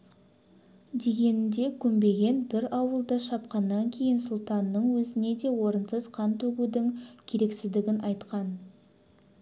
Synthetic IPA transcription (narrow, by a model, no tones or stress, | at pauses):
d̪e̞ɡʲe̞nɪd̪e̞kʲʰʏmbe̞ɡʲe̞nbɪɾɑwəlˠd̪əʃɑp̚qɑnːɑŋkʲʰe̞jɪnsʊlˠt̪ɑnːəɴwɵzɪne̞d̪e̞wo̞ɾənsəzqʰɑnt̪ʰɵɡud̪ɪŋkʲʰe̞ɾe̞ksɪzd̪ɪɡʲɪnʔɑjt̪qɑn